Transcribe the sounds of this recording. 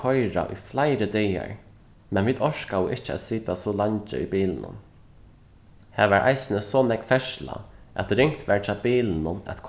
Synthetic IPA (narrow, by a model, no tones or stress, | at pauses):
ɔjɾa̰ʔʊ̰jflaɪɾəd̪ɛːja̰ɹ | mɛnʋiːt̪ɔʃkawʊʔɪht͡ʃəæ̰t̪siːt̪asɔlaɲt͡ʃə̰ibiːlnʊ̰n | hɛːʋɛɹʔa̰ɪsɪnəsɔnɛkfɛʃla̰æ̰t̪ɾɪŋ̥kt̪ʋɛɹt͡ʃʰabiːlənʊnæ̰t̪kʰ